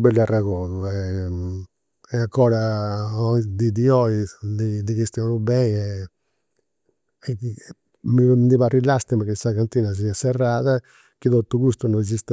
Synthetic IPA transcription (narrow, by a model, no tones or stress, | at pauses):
bɛlaraɣɔnuɛ | ɛakɔːɾaɔd̪id̪iɔid̪id̪ikest̪iɔnubɛjɛ | ɛ | mind̪iβarilast̪imakesakant̪iːnas̬iasɛrːaːða | kiðɔt̪uɡust̪unɔz̬ist̪